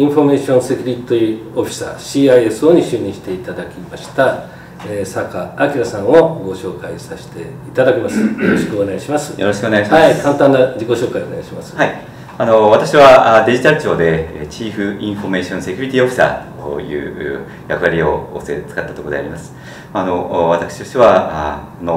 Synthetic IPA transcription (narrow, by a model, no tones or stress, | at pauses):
ĩɸo̞me̞ːɕõse̞kʲuɾʲit̪ʲio̞ɸʲi̥sa̰ɕiːaie̞sɨo̞ɲ̟iɕɨːɲ̟ːĩɕi̥t̪e̞it̪ad̪akʲimaɕi̥t̪a | eːsakaːkʲiɾasãɰ̃o̞ɡo̞ɕo̞ːkaisaɕi̥t̪e̞it̪ad̪akʲemasɨjoɾo̞ɕi̥kɯone̞ɡaɕimasɨ̥joɾoɕi̥kɯoneɡaɕimaikãnt̪ãnːad͡ʑiko̞ɕo̞ːkaione̞aɕimasɨ̥hai | ano̞βat̪akɕiβad̪e̞ʑit̪aɾɯ̟t͡ɕo̞ːd̪e̞t͡ɕiːɸɯ̟ĩɰ̃ɸo̞me̞ːɕõnse̞kʲuɾʲit̪ʲioɸɯ̥sa̰tojɯ̟̰ː | jakɯ̟βaɾʲioosḛt͡sɨ̥kat̪ːḁt̪okodeaɾʲimasɨ̥ | maːnoβat̪akɯ̟̥ɕi̥oɕt̪eβaa | ono